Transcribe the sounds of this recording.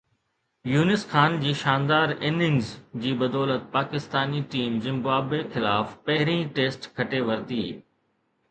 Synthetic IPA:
juːnɪsxaːnd͡ʑiːʃaːnd̪aːɾɪnɪŋɡzd͡ʑiːbɐd̪ɔːlət̪̚paːkɪst̪aːniʈiːmzɪ̃mbaːbexɪlaːfpɐɦɪɾĩʈeːsʈkʰɐʈeʋɐɾt̪iː

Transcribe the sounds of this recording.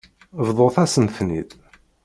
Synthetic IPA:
vðˤoθæsəmθnid̪

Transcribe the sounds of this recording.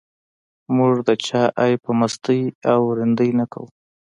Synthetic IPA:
muʐd̪ət͡ʃɑʔajpəmast̪əjawɾɪnd̪əjnaka̰w

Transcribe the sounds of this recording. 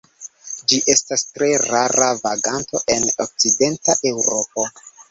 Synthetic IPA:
d͡ʒiʔe̞stastɾe̞ɾaɾavaɡanto̞̰ʔe̞nok̚t͡side̞ntaʔe̞wɾo̞po̞

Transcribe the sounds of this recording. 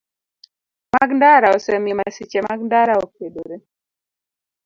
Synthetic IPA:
maɡndaɾaosɛmimasit͡ʃemaɡndaɾaokedoɾe

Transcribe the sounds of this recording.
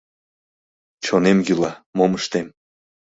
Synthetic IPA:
t͡ɕonemjylɑmoməʃt̪em

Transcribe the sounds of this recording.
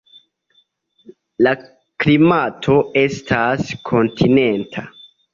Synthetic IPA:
la | klimatʰo̞e̞stʰaskʰo̞ntʰine̞ntʰa

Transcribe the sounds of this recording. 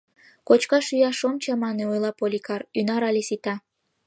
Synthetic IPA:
kot͡ɕkɑʃyjɑʃomt͡ɕɑmɑneojlˠɑpolʲikɑrynɑɾɑlʲesit̪ɑ

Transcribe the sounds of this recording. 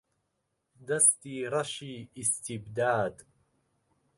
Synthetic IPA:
d̪ast̪iːɾˤɑʃiːʔɪst̪ɪbd̪aːd̪

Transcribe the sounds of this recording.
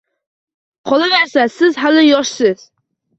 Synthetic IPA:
qʰɒlˠɨnæɾsɛsɪzɦælɪjɒʃsɨz̥

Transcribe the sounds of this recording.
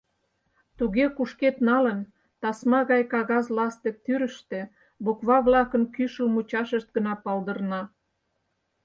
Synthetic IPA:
t̪uɣekuʃket̪nɑlən | t̪ɑsmɑɣɑjkɑɣɑzlɑst̪ek̚t̪yɾəʃt̪ĕ | bukβɑβlɑkənkyʃəlmut͡ɕɑʃəʃt̪̚ɡənɑpɑld̪ə̆rnɑ

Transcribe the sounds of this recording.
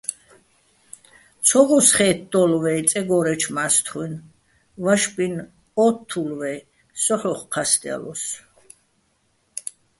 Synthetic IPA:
t͡sʰɔɡɔsχɛːt̪̚ʰd̪ɔlvɛit̪t͡sʼɛɡɔɾɛt͡ʃʰmast̪ʰχwin | vaʃpʼin | ɔt̪ʰːulvɛ | sɔχɔχqʰast̪ʼa̰lɔ̰s

